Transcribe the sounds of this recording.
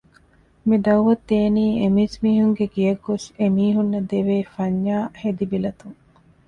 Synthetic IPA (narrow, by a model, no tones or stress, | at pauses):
miɖ̪ɐwʋɐt̪ːeːniːemismiːɦuŋɡeɡijɐɡːosemiːɦunːɐd̪eʋeːfɐɲːaːhed̪ibilɐt̪uŋ